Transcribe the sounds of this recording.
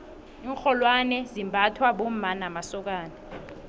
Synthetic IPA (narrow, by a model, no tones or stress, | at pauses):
iːŋxʰɔlwanɛzimbʱatʰwaɓomanamasɔk̬aːni